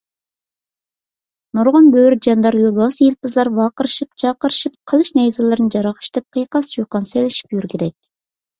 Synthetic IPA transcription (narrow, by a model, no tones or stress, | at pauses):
nuɾʁɑnbøɾd͡ʒɑnd̪ɑɾjulˠbɑsɨjilˠpɨzlˠɑɾvɑːqəɾɨʃip̚t͡ʃʰɑqəɾɨʃip̚qʰəlˠɨʃnɛjzɪlˠɨɾɨnɨd͡ʒɑɾɑʁə̥ʃt̪ɛp̚qʰəjqɑst͡ʃuqɑnselɪʃi̥pjyɾkʲʰeɾɛkʲ